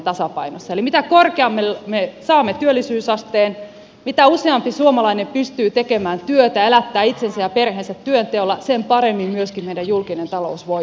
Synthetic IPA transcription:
t̪ɑsɑpɑinosːɑelimit̪ækorkeɑmːelmesɑːmːet̪yølːisyːsɑst̪eːn | mit̪æuseɑmpisuomɑlɑinempyst̪yːt̪ekemæːnt̪yøt̪æelæt̪ːæːit̪sensæjɑperheːnsæt̪tyønt̪eolːɑsempɑɾemːimmyøskimmeijdæjjulkinent̪ɑlo̰usʋo

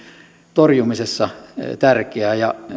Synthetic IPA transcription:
t̪orjumisesːɑt̪ærkeæːjɑ

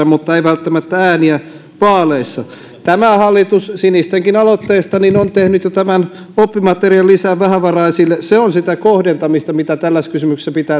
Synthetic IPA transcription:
ɑmut̪ːɑeiʋælt̪ːæmæt̪ːææːniæ | ʋɑːleisːɑ | t̪æmæhɑlːit̪ussinist̪eŋkinɑlot̪ːeːst̪ɑninont̪ehnyt̪jot̪æmæn | opːimɑt̪eriɑlːisæʋʋæhæʋɑrɑisilːeseonsit̪ækohdent̪ɑmist̪ɑmit̪æt̪ælːæskysymykse̥sæpit̪æː

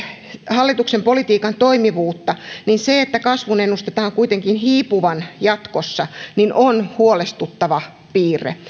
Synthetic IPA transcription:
hɑlːit̪uksempolit̪iːkɑnt̪oimiʋuːt̪ːɑninseet̪ːækɑsʋunenːust̪et̪ɑːŋkuit̪eŋkinhiːpuʋɑnjɑt̪kosːɑninʔonhuolest̪ut̪ːɑʋɑ | piːrḛ

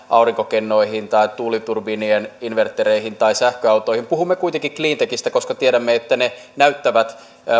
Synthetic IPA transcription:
ʔɑuriŋkokenːo̞iɦint̪ɑit̪ːuːlit̪urbinieninʋert̪ːeɾeihint̪ɑisæhkøɑwt̪o̞ijhimpuhumːekuijt̪eŋkikliːnt̪ekist̪æko̞skɑt̪ieɾæmːeet̪ːæne | næyt̪ːæʋæt̪

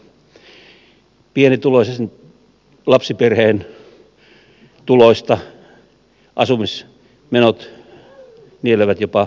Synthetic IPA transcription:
pienit̪ulosesn | lɑpsiperheːn | t̪uloist̪ɑ | ʔɑsumis | menot̪ | nieleʋæt̪jopɑ

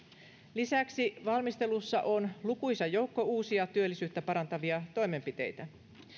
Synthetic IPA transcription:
lisæksiʋɑlmist̪e̞lusːɑʔo̞nlukujsɑjo̞wkːo̞uːsiɑt̪yø̞lːisyːt̪ːæpɑɾɑnt̪ɑʋiɑt̪o̞jme̞mpit̪e̞̰jt̪æ

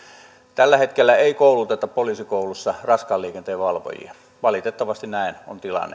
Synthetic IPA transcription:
t̪ælːæhet̪kelːæeˑikoˑulut̪et̪ːɑppoliːsikoˑulusːɑrɑskɑːlːˑiːkent̪eːʋʋɑlʋo̰jḭɑ | ʋɑlit̪et̪ːɑʋɑst̪innæˑino̰nt̪ilɑ̰nːḛ

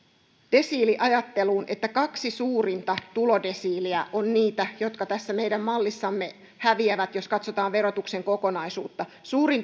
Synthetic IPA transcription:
d̥e̞siːliʔɑjɑt̪ːe̞luːnʔe̞t̪ːækɑksisuːɾint̪ɑt̪ulo̞de̞siːliæʔonniːt̪æjo̞t̪kɑt̪æsːæmejdæmːɑlːisːɑmːe | hæʋiæʋæt̪jo̞skɑt̪so̞t̪ɑːʋʋe̞ɾo̞t̪ukse̞ŋko̞ko̞nɑjsṵːt̪ːɑsuːɾin

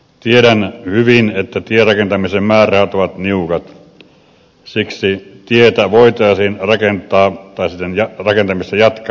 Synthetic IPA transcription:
t̪ieɾænhyʋinet̪ːæt̪ierɑkent̪ɑmisemmæːrˑæhɑt̪oʋɑt̪niukɑt̪ | siksit̪iet̪æʋoˑit̪ˑɑˑisiːnrɑkent̪ˑɑːt̪ɑˑisit̪ːenjɑrɑkent̪ɑmist̪ɑjɑt̪k

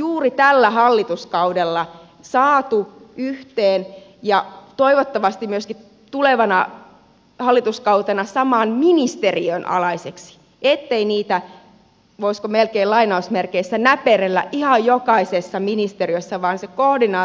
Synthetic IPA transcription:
juːrit̪ælːæhɑlːit̪uskɑudelːɑ | sɑːt̪uyht̪eːnjɑt̪oiʋot̪ːɑʋɑst̪immyøski | t̪uleʋɑnɑ | hɑlːit̪uskɑut̪ɑnɑsɑmɑːnminist̪eriønʔɑ̰lɑiseksi̥ | et̪ːeiniːt̪æ | ʋoiskomelkeilɑinɑusmerkeisːænæperelːæ̰ʔʔihɑjjokɑisesːɑminist̪eriøsːɑʋɑːnsekohdinɑː

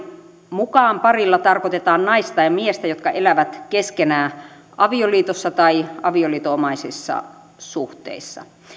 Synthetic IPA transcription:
mukɑːmpɑrilːɑt̪ɑrkot̪et̪ɑːnnɑist̪ɑjɑmiest̪æjot̪kɑʔelæʋæt̪keskenæː | ʔɑʋioliːt̪osːɑt̪ɑiɑʋioliːt̪oomɑisisːɑ̰ | suht̪ḛisːɑ̰

